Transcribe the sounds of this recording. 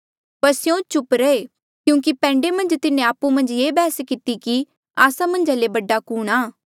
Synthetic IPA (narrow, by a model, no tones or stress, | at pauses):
pɐɾsjõt͡ʃʊpɾɛe | kjũːk̬ipɛ̃ːɳɖemɐ̃nd͡ʒt̪ɪnẽaːpumɐ̃nd͡ʒeːbɛːskɪt̪iki | aːsamɐ̃nd͡ʒalebɐɖːakuːɽ̃aː